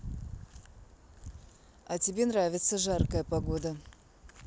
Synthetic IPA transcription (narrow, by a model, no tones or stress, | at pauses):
ɐtʲɪbʲe̞nravʲɪt̪səʐarkəjəpɐɡo̞d̪ə